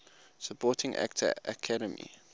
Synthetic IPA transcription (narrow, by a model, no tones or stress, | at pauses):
səpʰɔːˑtʰɪ̃ŋʔæ̰k̚tʰə̰əkʰadəmḭ